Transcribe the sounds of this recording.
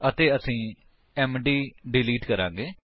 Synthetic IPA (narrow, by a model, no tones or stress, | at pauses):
ət̪eːəsĩː | ɛːmɖiːɖɪliːʈkəɾã̰ːŋɡeː